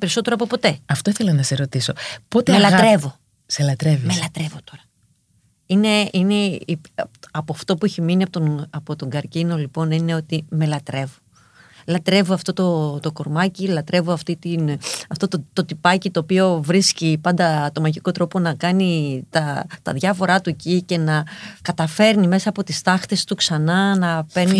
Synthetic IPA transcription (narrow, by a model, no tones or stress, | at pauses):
peɾiso̞t̪e̞ɾoɐpo̞po̞t̪e̞ɐft̪o̞iθe̞lɐnɐseɾo̞t̪iso̞po̞t̪emelɐɾe̞vo̞ | selɐt̪ɾe̞vimelɐt̪ɾe̞vo̞t̪o̞ɾɐ | ine̞ine̞iɐpoɐft̪o̞pueçiminiɐpot̪onɐpo̞t̪oŋɡɐɾcino̞lipo̞nine̞o̞t̪ime̞lɐt̪ɾe̞vo | lɐt̪ɾe̞voɐft̪o̞t̪o̞t̪o̞ko̞ɾmɐcilɐt̪ɾe̞voɐft̪it̪inɐft̪o̞t̪t̪o̞t̪ipɐcit̪o̞ːpio̞vɾiscipɐnd̪ɐt̪o̞mɐʝiko̞t̪ɾo̞po̞nɐkɐnit̪ɐt̪ɐðʝɐfo̞ɾɐt̪uecice̞nɐkɐt̪ɐfe̞ɾnime̞sɐːpo̞t̪ist̪ɐxt̪e̞st̪uksɐnɐnɐpe̞ɾni